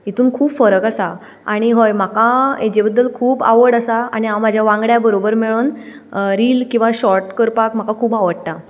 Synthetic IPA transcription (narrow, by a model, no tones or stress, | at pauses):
it̪uːnkʰuːbfəɾəkasa | aɽ̃iɦojm̤akãed͡ʑebəd̪ːəlkʰuːba̰ʋəɽasaaɽ̃iɦãm̤ad͡ʑʱjaʋãŋɡɭjabəɾobəɾmeɭuːn | ɾiːlkĩw̃ʋaɕɔɾʈkəɾpakm̤akakʰuːbaʋəɽt̪a